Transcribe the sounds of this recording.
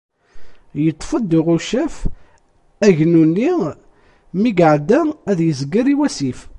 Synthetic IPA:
jət̪ˤːfəd̪iʁuʃæf | æʝnunːi | miɡəʕd̪ææðjəzɡəɾiwæsif

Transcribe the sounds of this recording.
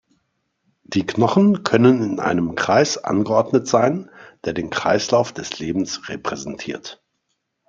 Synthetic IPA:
d̥iːknɔχn̩kʰœnənɪnʔa̰ɪnəmkʁ̥a̰ɪsʔa̰nɡəʔɔɐdnətz̥aɪnd̥eːɐdeːnkʁ̥a̰ɪslaʊfd̥ɛsleːbm̩sʁepʁ̥ɛzɛntʰiːɐt

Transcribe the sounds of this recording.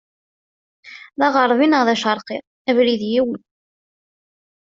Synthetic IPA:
ðɑʁɑɾˤvinəʁðæʃəɾˤqɪʁ | ævɾiðjiwn

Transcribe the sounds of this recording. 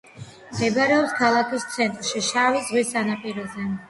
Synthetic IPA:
ɛbaɾɛɔpskʰalˠakʰist̪sʰɛnt̪ʼɾʃiʃavizʁwisanapʼiɾɔzɛ

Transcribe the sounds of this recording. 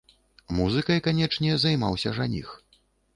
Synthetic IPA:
muzɨkɐjkanʲɛt͡ʂnʲɛzajmawsʲɐʐanʲḭx

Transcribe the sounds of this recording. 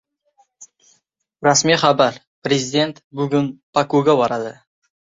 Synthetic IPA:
ɾasmiχabaɾ | pɾezʲɪd̪ʲe̞nt̪bʊɡʲʊnpʰakuɡʲabɒɾad̪ɪ

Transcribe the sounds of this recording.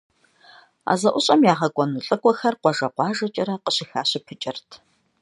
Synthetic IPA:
a̰ːzɐʔʷʊɕʼɐmjaːʁɐkʷʼɔnuɬʼɨkʷʼɔxɐrqʷɔʒɐqʷɑːʒɐt͡ʃʼɪɾɐqəɕɪxaːɕɪpʰɨt͡ʃʼɪrtʰ

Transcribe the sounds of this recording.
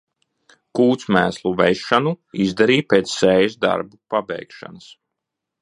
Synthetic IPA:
kuːt̪smæːslˠuvɛjʃanuizd̪aɾiːpeːt̪sːɛːjsd̪a̰ɾbupabʲɛ̰jkʃa̰nəs

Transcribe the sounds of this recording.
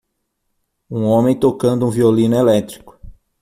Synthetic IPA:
ũõmẽj̃t̪okɐ̃nd̪ʊũviolĩnʊelɛt̪ɾikʊ̥

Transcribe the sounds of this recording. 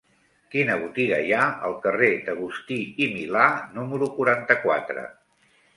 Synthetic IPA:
kinəβ̞ut̪iɣəjaə̰lˠkəred̪əɣ̞ust̪iimilanuməɾukuɾant̪əkwa̰t̪ɾə̰

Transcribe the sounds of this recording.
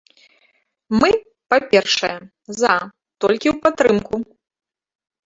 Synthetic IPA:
mɨ | papʲɛrʂɐjɛ | za | t̪ɔlʲkʲiwpat̪ːɾɨmku

